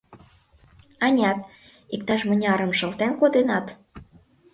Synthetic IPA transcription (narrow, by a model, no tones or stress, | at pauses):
ɑnʲɑt̪̚ | ikt̪ɑʃmə̆nʲɑɾə̆mʃɤ̆lt̪enkod̪enɑt̪